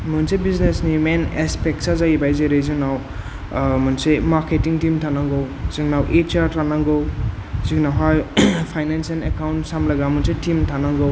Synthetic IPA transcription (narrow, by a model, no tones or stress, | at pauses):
mɯnsebiznesnimenespek̚sazajibajzeɾezɯŋnaw | mɯnsemaɾketiŋtimtʰanaŋɡɯwz̥iŋnawʔet͡ʃaɾtʰanaŋɡɯwziŋnawɦajpʰajnensenekawnsamlaɡamunsetimtʰanaŋɡɯw